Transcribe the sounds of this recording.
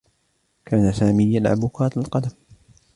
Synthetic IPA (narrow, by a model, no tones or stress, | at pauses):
kʰaːnasaːmijːanʕa̰bʊkaːt̪alqɑd̪am